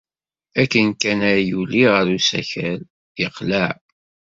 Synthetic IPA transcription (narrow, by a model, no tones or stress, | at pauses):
ækːənkænæjuliʁəɾusæ̰çæl | jəqləʕ